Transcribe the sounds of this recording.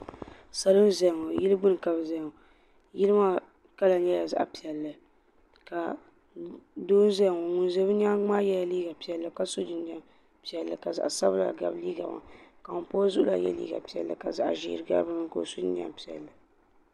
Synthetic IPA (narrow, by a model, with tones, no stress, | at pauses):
sa˨lo˦n˦zɛ˨ŋo˨ji˦lɨ˦ɡ͡bɨ˦nɨ˨ka˨bzɛ˨ŋo˨ | ji˦lɨ˦ma˦ | ka˦la˨ɲɛ˦ja˨za̰˦ʔa˦˨pi˨ɛ˨lːɨ˨ | ka˨ | doː˦n˦zɛ˦˨ŋo˨ŋʊ˨n˦zɛ˦bɨ˦ɲa˦ŋ͡maː˦jɛ˦la˨liː˦ɡa˨pi˨ɛ˨lːɨ˨ka˦so˦d͡ʒɨ˨n˦a˦m | pi˨ɛ˨lːɨ˨ka˨za̰˨ʔsa˦bla̰˨ɡa̰˨bliː˦ɡa̰˨ma̰˨ka˨ŋʊ˨poː˦zʊ˦ʔʊ˦la̰˨jɛ̰˦lḭː˦ɡa̰˨pi˨ɛ̰˨lːɨ̰˨ka˨za̰˨ʔʒḭ˦˨ɾɨ˨ɡa̰˦bɨ˦m˦˨ko̰˨so˦da̰˨mpi˨ɛ̰˨lːɨ˨